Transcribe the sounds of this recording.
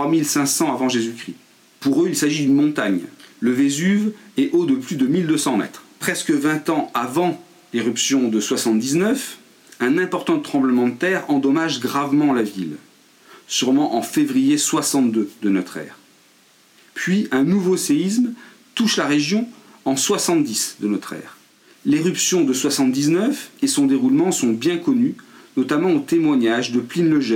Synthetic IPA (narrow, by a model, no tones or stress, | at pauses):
t̪χwamilsɛ̃sɑ̃avɑ̃ʒezykχi | puʁøilsaʒid̪ynmɔ̃t̪aɲləvezyvɛʔod̪əplyd̪əmild̪øsɑ̃mɛ̰t̪χpχɛskəvɛ̃t̪ɑ̃avɑ̃ | leʁypsjɔ̃d̪əswasɑ̃t̪̚d̪iznœf | ɛ̃nɛ̃pɔʁt̪ɑ̃t̪χɑ̃bləmɑ̃d̪ət̪ɛʁɑ̃d̪ɔmaʒɡʁavmɑ̃lavil | syʁmɑ̃ʔɑ̃fevʁijeswasɑ̃t̪̚d̪ød̪ənɔt̪χɛ̰ːʁ | pɥiɛ̃nuvoseism | t̪uʃlaʁeʒjɔ̃ | ɑ̃swasɑ̃t̪̚d̪isd̪ənɔt̪χɛ̰ːʁ | leʁypsjɔ̃d̪əswasɑ̃t̪̚d̪iznœfesɔ̃d̪eʁulmɑ̃sɔ̃bjɛ̃kɔnynɔt̪amɑ̃ot̪emwaɲaʒd̪əplinləʒɛ